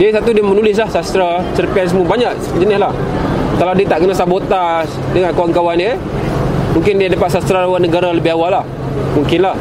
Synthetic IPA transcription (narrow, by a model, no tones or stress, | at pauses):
diəsat̪udiəmənulɪs̬lahsast̪ɾasərpɛns̬əmubaɲaʔ̚ | d͡ʒənɪslah | kalawdiət̪aʔkənasabot̪as | dəŋankawaŋkawanə | muŋkɪndiadapat̪̚sast̪ɾaawanəɡaɾaləbɪawalah | muŋkɪnlah